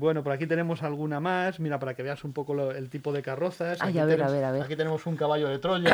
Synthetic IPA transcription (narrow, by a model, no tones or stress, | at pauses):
bwe̞noposakit̪e̞ne̞mo̞salɣunamasmiɾapaɾake̞βe̞asumpo̞koloelt̪ipoð̞e̞karo̞θasajaβeaβeɾaβeakit̪e̞ne̞mosuŋkaβaʎoðe̞t̪ɾoʎa